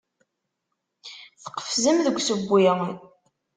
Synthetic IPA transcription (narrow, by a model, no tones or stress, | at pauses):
θə̥qə̥fzəmðəɡʷsəbʷːi